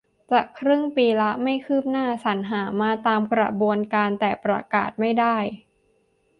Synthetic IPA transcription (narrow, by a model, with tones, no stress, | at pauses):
t͡ɕaː˨˩kʰɾɯ˥˩ŋpiː˧la˦˥ma˥˩jkʰɯː˥˩p̚naː˥˩sa˩˦nɦaː˩˦maː˧t̪aː˧mkɾa̰˧bu˧ənkaː˧nt̪ɛː˨˩pɾa˧ka̰ː˨˩t̪̚ma˥˩jdaː˥˩j